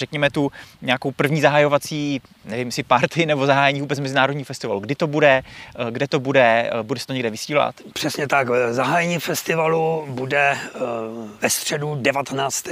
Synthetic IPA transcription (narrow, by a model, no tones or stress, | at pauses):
r̥ɛkɲɛmɛt̪uɲɛako̞wpr̩vɲiːzaɦajo̞vat͡siː | nɛvɪmjsɪpaɾt̪ɪnɛbo̞zaɦaːjɛɲiːvuːbɛt͡smɛzɪnaːɾodɲiːfɛst̪ɪvaluɡdɪt̪o̞budɛɡdɛt̪o̞budɛbudɛsɛ̥t̪oɲɛɡdɛvɪsiːla̰t̪pr̥ɛsɲɛt̪akzaɦaːjɛɲiːfɛst̪ɪvalubudɛ | vɛst̪r̝̥ɛdudɛvat̪ɛnaːt͡st̪